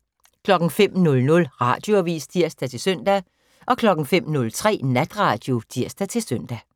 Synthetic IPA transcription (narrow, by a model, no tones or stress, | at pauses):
kʰlɒ̽ɡ̥n̩fem̰nɔ̽lnɔ̽lʁɑ̈d̥jo̝æʋḭːsd̥ʰiɐ̰sd̥æt͡sʰe̝lsøn̰d̥æ | ʔɒ̽kʰlɒ̽ɡ̥ŋ̩fem̰nɔ̽lt͡sʰʁɛ̰ːnæd̥ʁɑ̈ːd̥jo̝d̥ʰiɐ̰sd̥æt͡sʰe̝lsøn̰d̥æ